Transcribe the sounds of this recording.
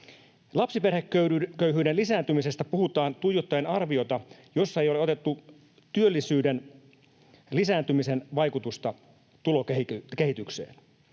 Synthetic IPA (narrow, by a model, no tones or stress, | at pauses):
lɑpsiperhekːøkøyɦyːdenlisæːnt̪ymisest̪æpuhut̪ɑːnt̪ujot̪ːɑjenɑrʋio̞t̪ɑjo̞sːɑejo̞leo̞t̪e̞t̪ːu | t̪yø̞lːisyːden | lisæːnt̪ymise̞nʋɑjkut̪ust̪ɑ | t̪ulo̞keikehit̪yksḛːn